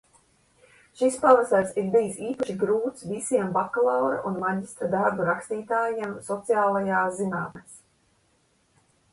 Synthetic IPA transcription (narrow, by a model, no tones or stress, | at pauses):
ʃispalasaɾsiɾbijsiːpaʃiɡɾuːt̪svisiɛmbakalˠawɾa̰ʔunmad̪ʲist̪ɾad̪aɾbuɾakst̪iːt̪aːjiɛmsɔt̪sijaːlˠajaːzinaːmmes